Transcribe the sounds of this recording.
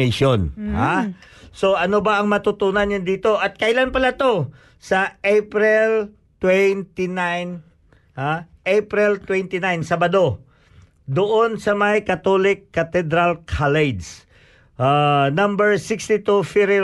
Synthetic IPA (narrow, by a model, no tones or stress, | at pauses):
ejʃonhaso̞ʔɐnobaʔɐŋmɐt̪ʊt̪uːnɐnjɐnd̪iːt̪o̞ʔɐt̪̚kɐjlanpɐlat̪o̞ | sɐʔejpɾɪl | t̪wɛnt̪inajn | haʔejpɾɪlt̪wɛnt̪inajnsabɐd̪o̞ | d̪ʊʔonsɐmɐjkɐt̪olɪkːɐt̪ɛd̪ɾalkʰalɛd͡ʒs | ʔanambɛɹsɪkst̪ɪt̪ufɪɾɪ